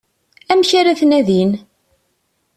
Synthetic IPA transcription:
æmçaɾæθnæðin

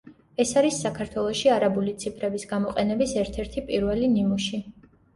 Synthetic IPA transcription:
ɛsaɾisːakʰaɾt̪ʰwɛlˠɔʃiaɾabulit̪sʰipʰɾɛbisɡamɔqʼɛnɛbisɛɾt̪ʰɛɾt̪ʰipʼiɾvɛlinimuʃi

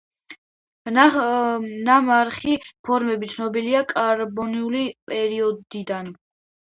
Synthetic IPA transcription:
namaɾχipʰɔɾmɛbit̪sʰnɔbiliakʼaɾbɔniulipʼɛɾiɔd̪id̪an

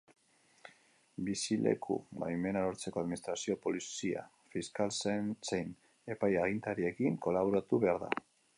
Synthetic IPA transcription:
bisile̞̰kʰṵma̰jme̞naɾoɾt͡se̞ko̞aðminist̪ɾasio̞po̞lisia̰ | fiskalsensejn | e̞pajaɣ̞int̪aɾie̞kiŋko̞laβ̞oɾat̪uβe̞aɾða̰

